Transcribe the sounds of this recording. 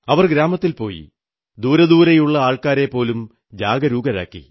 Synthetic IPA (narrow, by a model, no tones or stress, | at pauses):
ɐʋɐrɡɾaːmɐt̪ːilpo̞ːjḭ | d̪uːɾɐd̪uːɾɐjuɭːɐaːɭkaːɾe̞pːo̞ːlum | d͡ʑaːɡɐɾuːɡɐɾa̰ːkːḭ